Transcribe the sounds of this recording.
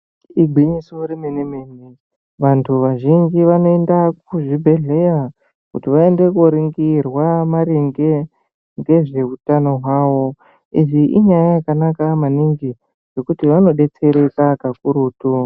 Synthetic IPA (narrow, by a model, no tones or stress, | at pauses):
iɡʱwiɲisoɾimenemeːni | ʋantʰuʋaʒiɲd͡ʒiʋano̞e̞ndak̚uʐibʱe̞ɮe̞ja | kṵtiʋae̞nde̞kuoɾiŋɡirwamaɾeŋɡe̞ | ŋɡe̞ʐe̞utano̞ɦwaːwo̞ | iʐiʔiɲajajakanakamaniŋɡi | ʐe̞kutiʋano̞ɗe̞t͡se̞ɾe̞kakakuɾuːtu